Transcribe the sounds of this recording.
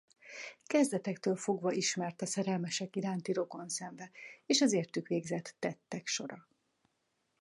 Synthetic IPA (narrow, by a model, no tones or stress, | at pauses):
kɛzd̪ɛt̪ɛkt̪øːlfo̞ɡvɒʔiʃmɛrt̪ɒsɛɾɛlmɛʃɛkiɾaːnt̪iɾo̞ko̞nsɛɱvɛeːʃɒzeːrt̪ykʋeːɡzɛt̪ːɛt̪ːɛkʃo̞ɾɒ